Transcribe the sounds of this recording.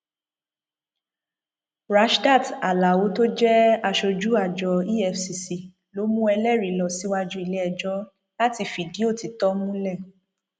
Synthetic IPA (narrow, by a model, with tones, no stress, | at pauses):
ɾa˨˦ʃda˦˨ta˨la˨wo˨˦to˦d͡ʒɛ˦a˧ʃo˧d͡ʒu˦a˦˨d͡ʒɔ˧i˦ɛ˧fsi˧si˨ | lo˨˦mũ˦ɛ˧lɛ˦˨ɾi˨˦lɔ˨si˨˦wa˧d͡ʒũ˦i˧lɛ˦ɛ˧˨d͡ʒɔ˦ | la˦ti˧fi˨di˨˦o˦˨ti˨tɔ˦mũ˦lɛ˦˨